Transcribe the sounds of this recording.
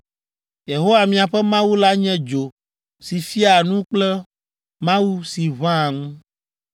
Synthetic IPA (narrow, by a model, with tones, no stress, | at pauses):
je˨ɦo˦wa˨mĩ˨a˨ɸɛ˦mã˦wu˦la˦ɲɛ̃˦d͡ʒo˨ | si˨fi˦a˨nũ˦k͡plɛ˦ | mã˦wu˦si˨βã˦˨ŋ˦